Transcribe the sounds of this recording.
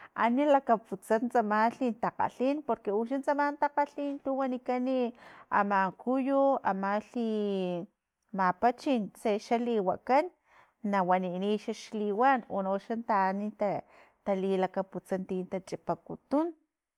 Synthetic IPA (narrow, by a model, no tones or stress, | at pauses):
ʔa̰nilakaput͡sant͡samaɬint̪aqa̰ɬinpoɾkeuʃ̬ant͡samant̪aqaɬint̪uwanikania̰maŋkujua̰maɬi | mapat͡ʃinseʃaliwa̰kanː | awaniniʃaʃliwanonoʃant̪anit̪a | t̪alilakaput͡sant̪int̪at͡ʃʼipakut̪un